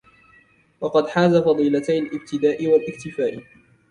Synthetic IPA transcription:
wɑqɑd̪ħaːzafɑd̪ˤiːlat̪ajɪlʔɪb̚t̪ɪd̪aːʔɪwalʔɪkt̪ɪfaːʔ

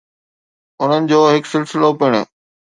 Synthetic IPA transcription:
ʊn̤ənɪ̆d͡ʑoːɦɪksɪlsɪlopɪɽ̃ʊ̰

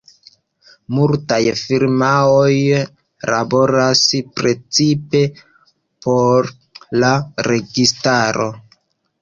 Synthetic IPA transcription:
multajfiɾmao̞j | labo̞ɾaspɾe̞t͡sipe̞ | poɾ | laɾe̞ɡistaɾo̞̰

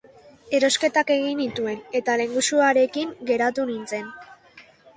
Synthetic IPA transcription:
e̞ɾo̞ske̞t̪ake̞ɣinit̪ue̞ne̞t̪ale̞ŋɡusuaɾe̞kiŋɡe̞ɾat̪unint͡se̞n

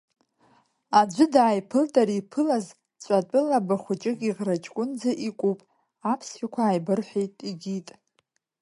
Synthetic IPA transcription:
ad͡ʒʷʊdaːjpʰɨltʼaɾipʰɨlaz | t͡ɕʷʼatʷʼɨlabaχʷʊt͡ʃʼɪkʲʼiʁrat͡ʃʼkʷʼʊnd͡zaʔikʷʼupʼ | apʰsħʷakʷʰaːjbɨrħʷᶣejtʼiɡʲitʼ

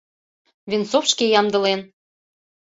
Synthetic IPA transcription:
vʲinsofʃkejɑmd̪ɤ̆len

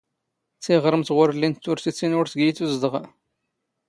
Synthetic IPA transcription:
θiʁɾˤəmt̪ʁʊɾəlːint̪ːʊɾθit͡sːinʊɾθɡijiθuzd̪əʁ

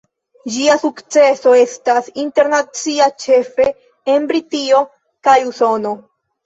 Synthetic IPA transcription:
d͡ʒiasukt͡se̞so̞e̞stasinte̞ɾnat͡siat͡ʃe̞fe | enbɾitio̞ | kajuso̞no̞

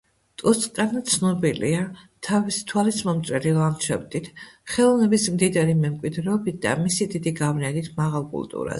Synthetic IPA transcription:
t̪ʼɔsʼkʼant̪sʰnɔbilḭat̪ʰavist̪ʰwalismɔmt̪sʼwɛɾilanʃʰɛ̰bd̪it̪ʰχɛlˠɔvnɛbismd̪id̪aɾimɛmkʼwid̪ɾɛɔbit̪̚ʰd̪̥a̰misid̪id̪iɡavnɛnit̪ʰmaʁalˠkʼṵlˠt̪ʼṵɾa̰s

